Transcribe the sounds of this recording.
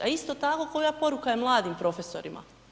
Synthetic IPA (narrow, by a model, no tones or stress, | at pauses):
aist̪ot̪ako̞kojapo̞ɾukajemlˠaːd̪impɾo̞feso̞̰ɾimʔa̰